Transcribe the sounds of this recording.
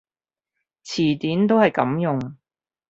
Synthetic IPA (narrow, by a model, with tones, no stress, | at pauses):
t͡sʰiː˨˩t̪iː˨˥nt̪o˥whɐ˨jkɐ˨˥mjʊ˨ŋ